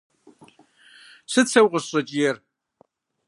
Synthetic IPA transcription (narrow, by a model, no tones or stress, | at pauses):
sɨt͡sʰɐwqʼəsɕʼɐt͡ʃʼjɛr